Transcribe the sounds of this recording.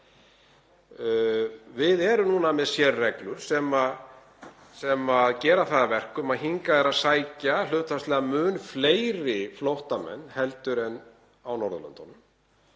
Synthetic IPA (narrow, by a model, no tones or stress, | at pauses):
vɪðɛɾʏnunamɛðsjɛrːɛklʏɾ̥sɛmað | sɛmaðcɛːɾaθaðavɛr̥kʏmaðɦiŋkaðɛɾaðsaːjcal̥ʏːht̪fast̪lɛɣamʏːnfleːjɾɪflowht̪amɛ̰nːhɛlt̪ʏɾɛnː | awnɔɾðʏlʏ̰nt̪ɔnʏm